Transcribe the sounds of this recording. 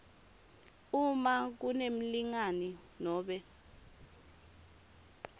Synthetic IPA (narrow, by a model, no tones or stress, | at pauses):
umak̬unem̩liŋani | nɔːɓɛ